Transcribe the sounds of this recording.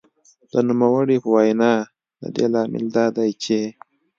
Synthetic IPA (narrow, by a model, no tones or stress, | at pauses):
d̪̥ənumawəɽipəwajnɑː | da̰d̪elɑːmɪ̰ld̪ɑːd̪ajt͡ʃe